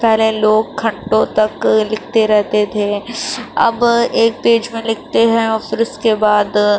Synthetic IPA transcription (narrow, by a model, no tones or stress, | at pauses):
pɛɦleloːɡkʰɐ̃ɳʈõt̪ɐklɪk̚ʰt̪eɾɛɦt̪et̪ʰeːɐ̰beːk̚peːd͡ʒmẽlɪk̚ʰt̪eɦɛ̃ɔːfɾɪskebaːd̪